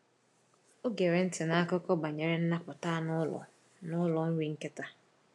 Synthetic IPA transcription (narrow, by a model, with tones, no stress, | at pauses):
o˦ɡe˨ɾe˨n̩˦tɪ˨na˦a˦kʊ˦kɔ˦ba˨ɲe˨ɾe˦n̩˦na˦pʊ˨ta˦nʊ˦lɔ̰˨ | nʊ˦lɔ˨n̩˦ɾi˦ŋ̩˦ke˦ta˦